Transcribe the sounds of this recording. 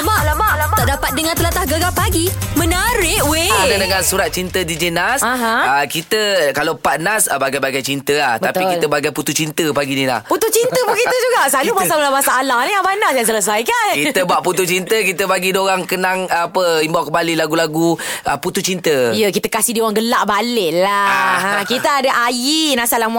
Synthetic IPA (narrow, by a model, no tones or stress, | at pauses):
baʔlabaʔt̪aʔdapat̪̚dəŋãnt̪əlat̪ahɡəɡapaɡimə̃naɾɪʔweanadəŋansuɾat̪̚t͡ʃint̪ədid͡ʒənasaɦəkit̪əkalapanasəbaɡajbaɡajt͡ʃint̪əahtb̪apikit̪əbaɡajput̪ut͡ʃint̪əpaɡinila̰hput̪ut͡ʃint̪əpukiəd͡ʒuɡaʔsalumasaəlamasaːlahnijabanahjaŋs̬ələs̬ajkankit̪əbaʔput̪ut͡ʃint̪əkit̪əbaɡidoɾaŋkənaŋapəimbawʔkəmbalilaɡulaɡuəput̪ut͡ʃint̪əijəkit̪əkasihdioɣaŋɡəlaʔbalɪʔlaɦãkit̪əadaʔajinasalama